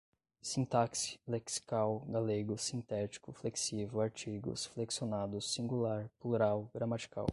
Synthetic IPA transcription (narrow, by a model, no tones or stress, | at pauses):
sĩnt̪aksi̥leksi̥kawɡaleɡʊsĩnt̪ɛt͡ʃi̥kʊfleksivʊaɾt͡ʃiɡʊ̰sfleksionad̪ʊsːĩɡulaɾpluɾawɡɾamat͡ʃi̥ka̰w